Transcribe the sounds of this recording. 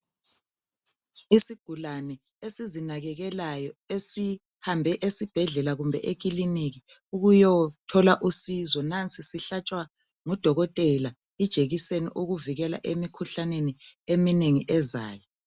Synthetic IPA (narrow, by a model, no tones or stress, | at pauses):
isiɡ̥ʱulanɛ | esizinaɣɛɣɛlajɔesi | hambʱɛʔesib̥ʱɛɮɛlaɣumbʱɛ̰ʔek̬ʼiliniɣi | uɣujɔtʰɔlaʔusizɔnant͡sʼisiɬat͡ʃʼwa | ŋɔd̥ʱɔɣɔtʼɛla | id̥ʒ̥ʱeɣisenḭʔuɣuviɣɛla̰ʔemikʰuɬaneniemineŋiʔɛzaːjɔ